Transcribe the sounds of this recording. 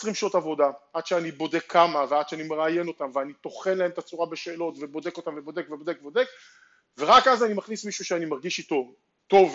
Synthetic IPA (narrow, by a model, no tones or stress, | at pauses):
esʁimʃotavo̞daʔad̥ʃeanibo̞de̞kʰːamavead̪ʃeanime̞ʁaje̞no̞t̪amveanit̪o̞χe̞nlae̞mt̪at͡suʁabeʃe̞ːlo̞t̪ve̞bo̞de̞ko̞t̪amvebo̞d̪e̞kvebo̞d̪ekvbode̞k | ve̞ʁakazanimaχnismiʃuʃeanimaʁɡiʃit̪o̞ | t̪o̞v